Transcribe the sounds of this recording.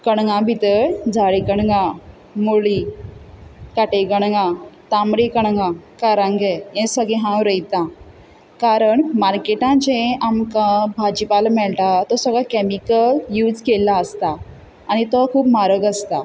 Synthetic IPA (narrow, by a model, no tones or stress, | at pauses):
kəɳ̃ɡãbʱit̪əɾd͡zʱaɭikəɽɡã | moɭi | kaʈeɡəɽŋãt̪amɽikəɳ̃ŋɡãkaɾãŋɡeẽsəɡẽɦãwɾəjt̪ã | kaɾəɳmaɾkeʈãd͡ʑẽamkãbʱad͡ʑipalmɛɭʈat̪ɔsəɡɭakɛmikəljuːd͡zkelaəst̪aː | nit̪ɔkʰuːpmaɾəɡəst̪a